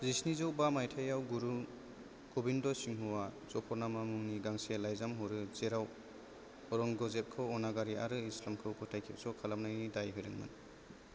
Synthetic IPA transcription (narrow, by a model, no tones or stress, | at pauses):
zisnizɔwbamajtʰajawɡuɾu | ɡ̥ɔbindɔsiŋɦuwazɔpʰɔɾnamamuŋniɡaŋselajzamɦɔɾɯzeɾaw | ɔɾɔŋɡɔzep̚kʰɯwɔnaɡaɾiaɾɯislamkʰɯwkʰɯtʰajkʰip̚sɔkʰalamnajnidajɦɯjɾɯŋma̰n